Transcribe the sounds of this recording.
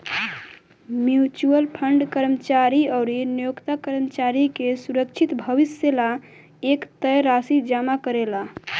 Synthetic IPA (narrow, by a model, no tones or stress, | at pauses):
mjut͡ʃuəlpʰəɳɖkəɾmət͡ʃaɾiəʊɾinjokt̪akəɾmət͡ʃaɾikesuɾək̚t͡ʃʰit̪bʱəʋisela | ekt̪əjɾasid͡ʒamakəɾela